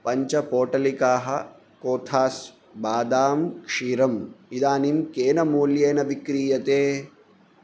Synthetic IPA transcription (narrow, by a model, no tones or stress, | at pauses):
pɐɲt͡ʃɐpoːʈɐlikaːɦɐ | koːt̪ʰaːs | baːd̪aːmkʂiːɾɐmid̪aːnimkeːnɐmuːljeːnɐʋikɾiːjɐt̪eː